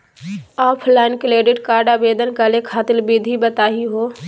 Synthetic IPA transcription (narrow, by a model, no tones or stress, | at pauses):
ɔːpʰlaːnkleːɖɪɖkaːɾɖabeːd̪ənkəlekʰaːt̪ɪlbid̪ʱibət̪aːɦiɦoː